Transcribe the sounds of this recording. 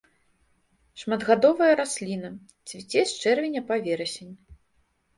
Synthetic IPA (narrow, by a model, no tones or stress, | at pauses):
ʂmɐd̪ɣad̪ɔvɐjɐɾasʲlʲinɐ | t͡sʲvʲit͡sʲɛsʲt͡ʂɛrvʲinʲɐpavʲɛɾɐsʲenʲ